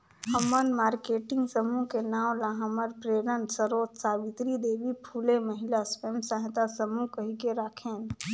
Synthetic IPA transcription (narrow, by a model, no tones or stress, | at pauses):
ɦəmənmaːɾkeːʈɪ̃ŋɡsəmukenaːwlaɦəməɾpɾeːɾənsəɾoːt̪saːʋit̪ɾid̪eːʋipʰuːleməɦɪlaspeːmsə̃ɦt̪asəmukəɦikeɾaːkʰeːn